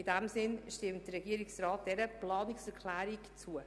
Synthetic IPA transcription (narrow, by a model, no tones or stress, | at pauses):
idæmsɪnʃtɪmt̚d̥əɾɛɡiəɾɪksrɑːt̚d̥ɛɾəplɑːnɪksɛɾkʰlæːɾɪkt͡suə